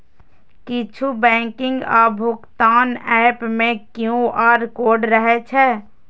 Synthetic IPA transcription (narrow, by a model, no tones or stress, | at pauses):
kɪt͡ʃʰubɛ̃ːkɪ̃ŋɡaːbʱʊkt̪aːnɛpmẽkjũaːɾkoːɖɾəɦɛt͡ʃʰɛ